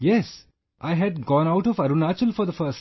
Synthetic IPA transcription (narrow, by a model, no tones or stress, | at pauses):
jɛs | ʔaɪɦæɖ̚ɡɔ̃ːnaʊʈɔfɐɾunat͡ʃəlfɔɾd̪əfəːs